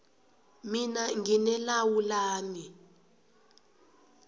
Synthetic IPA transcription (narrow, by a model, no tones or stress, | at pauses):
minaŋinɛlawulaːni